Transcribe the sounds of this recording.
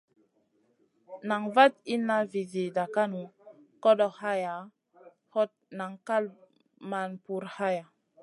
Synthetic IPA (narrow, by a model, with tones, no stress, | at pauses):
na˨ŋva˦t̪̚i˦nːa˦vi˨zi˨da˨ka˦nu˨ | ko˦ɗo˨ha˦ja˨ | ho˦t̪̚na˨ŋka˦l | ma˨npu˨ɾha˦ja˨